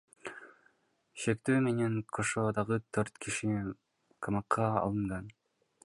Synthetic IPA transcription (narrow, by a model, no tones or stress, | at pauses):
ʃekt̪øːme̞neŋkʰoʃod̪ɑʁɯt̪ʰøɾt̪kʰiʃi | kʰɑmɑqʰːɑɑ̰lˠɯɴʁɑn